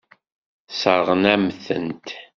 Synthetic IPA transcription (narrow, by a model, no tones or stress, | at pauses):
səɾʁənæmθə̰nt̪